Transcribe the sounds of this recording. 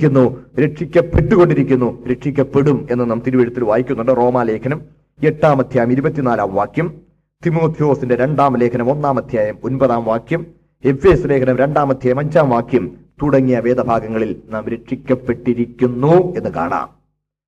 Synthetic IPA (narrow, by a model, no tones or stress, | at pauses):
unːuɾe̞ʈʂikʲːɐpːe̞ʈːuɣo̞ɳɖiɾikʲːunːuɾe̞ʈʂikʲːɐpːe̞ɽume̞nːɨnɐmt̪iɾuʋiɾut̪ːilʋaːjikʲːunːuɳɖɨro̞ːmaːle̞ːkʰɐnɐm | e̞ʈːaːmɐd̪ʱjaːjɐmiɾubɐt̪ːinaːlaːmʋaːkjɐm | t̪imo̞ːt̪ʰijo̞ːsinde̞ɾe̞ɳɖaːmle̞ːkʰɐnɐmo̞nːaːmɐd̪ʱjaːjɐmo̞nbɐðaːmʋaːkjɐm | e̞fe̞ːsule̞ːkʰɐnɐmɾe̞ɳɖaːmɐd̪ʱjaːjɐmɐɲd͡ʑaːmʋaːkjɐmt̪uɽɐŋːijɐʋe̞ːd̪ɐbʱaːɡɐŋːɐɭilnaːmɾe̞ʈʂikʲːɐpːe̞ʈːiɾikʲːunːue̞nːɨka̰ːɳa̰ːm